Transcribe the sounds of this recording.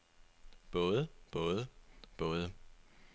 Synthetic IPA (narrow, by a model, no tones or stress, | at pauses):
b̥ɔ̽ːð̞ˠəb̥ɔ̽ːð̞ˠəb̥ɔ̽ːð̞ˠə